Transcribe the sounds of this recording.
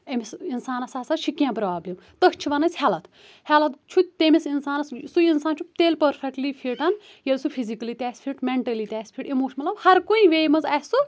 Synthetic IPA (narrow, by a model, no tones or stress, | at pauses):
emisinsaːnɐsɐsɐʃʰikjãːpɾaːblemt̪əkʰt͡ʃʰibɐnɐt͡sʲhɛːlɐt̪ | halɐt̪t͡ʃʰut̪emisinsaːnɐssuinsaːnt͡ʃʰut̪eːlpɐɾpʰek̚ʈlipʰiʈɐn | jɐlsupʰizikɐliːt̪ʲɛːsʲpʰiʈmeɳʈɐliːt̪ʲɛːspʰiʈemoːʃmɐt̪lɐbhɐɾkuĩʋeːjmɐzassu